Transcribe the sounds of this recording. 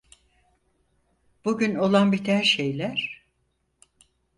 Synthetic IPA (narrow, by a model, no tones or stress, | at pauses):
b̥uɟyno̞lˠanbit̪ʰænʃejlʲæɾ̥